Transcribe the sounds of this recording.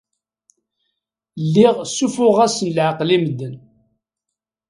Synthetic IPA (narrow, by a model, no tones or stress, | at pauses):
lːɪʁsufʊʁæsənlʕaqliməd̪ːən